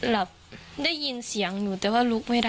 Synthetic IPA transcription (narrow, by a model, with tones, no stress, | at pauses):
la˨˩p̚da˥˩jːi˧nsi˩˦əŋjuː˨˩t̪ɛː˨˩waː˥˩lu˦˥k̚ma˥˩jda˥